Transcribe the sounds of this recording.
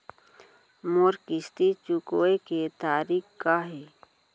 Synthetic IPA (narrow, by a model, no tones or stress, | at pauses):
moːɾkɪst̪it͡ʃukoːeket̪aːɾiːkkːaɦe